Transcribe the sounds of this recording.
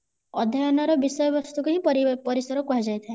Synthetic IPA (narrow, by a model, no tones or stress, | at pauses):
ɔd̪ʱjɔjɔnɔɾɔbisɔjɔbɔst̪ukaɦĩpɔɾipɔɾisɔɾɔkuɦad͡ʒajt̪ʰae